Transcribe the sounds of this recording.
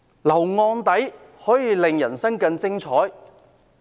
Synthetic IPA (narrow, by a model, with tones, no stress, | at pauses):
lɐ˨˩wŋɔː˧nt̪ɐ˨˥j | hɔː˨˥jiː˨˧lɪ˨ŋjɐ˨˩nsɐ˥ŋkɐ˧nt͡sɪ˥ŋt͡sʰɔː˨˥j